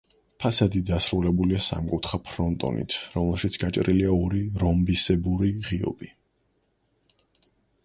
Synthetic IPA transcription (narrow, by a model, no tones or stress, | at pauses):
pʰasad̪id̪asɾulɛbuliasa̰mkʼut̪ʰχapʰɾɔnt̪ʼɔ̰nḭt̪ʰɾɔmɛlˠʃit̪sʰɡ̥at͡ʃʼɾiliaɔɾiɾɔmbisɛbuɾiʁiɔ̰bi